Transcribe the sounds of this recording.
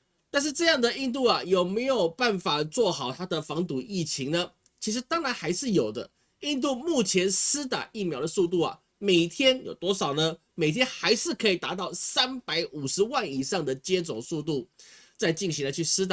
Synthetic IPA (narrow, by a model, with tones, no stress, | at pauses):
t̪a˥˧nʂ̬ɻ̩˥˧ʈ͡ʂɤ˥˧jɑ˥˩ŋd̪ə˨i˥˧nt̪̬u˥˩a˩jo˨˩ʊme˧˥ɪjo˨˩ʊpa˥˩nfa˨˩t͡swɔ˥˩xɑ˨˩ʊt̪ʰa˥d̪ə˨fɑ˧˥ŋt̪u˨˩i˥˩t͡ɕʰi˧˥ŋnə˧ | t͡ɕʰi˧˥ʂ̬ɻ̩˧˥˦t̪ɑ˥ŋɻa˧˥nxa˧˥ɪʂɻ̩˥˩jo˨˩ʊd̪ə̰˦ | i˥˧nt̪̬u˥˧mu˥˩t͡ɕʰjɛ˧˥nsɹ̩˥t̪a̰˨˩ʔi˥˩mjɑ˧˥ʊd̪ə˧su˥˧t̪̬u˥˩ɐ̰˩ | me˨˩ɪt̪ʰjɛ˥njo˨˩ʊt̪wɔ˥ʂɑ˨˩ʊnə˦ | me˨˩ɪt̪ʰjɛ˥nxa˧˥ɪʂɻ̩˥˩kʰɤ˧˥i˨˩t̪a˧˥t̪̬ɑ˥˩ʊsa˥npa˧˥ɪʔu˨˩ʂɻ̩˧˦wa˥˩ni˨˩ʂɑ˥˩ŋd̪ə˩t͡ɕjɛ˥t͡sʊ˨˩ŋsu˥˧t̪u˥˩t͡sa˥˧ɪt͡ɕi˥˩nɕi˧˥nə˧t͡ɕʰy˥˩sɹ̩˥t̪a˨˩